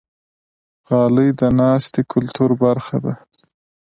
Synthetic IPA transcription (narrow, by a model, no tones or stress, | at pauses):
ɣɑːləjd̪ənɑːst̪ekʰʊlt̪uɾbaɾxad̪a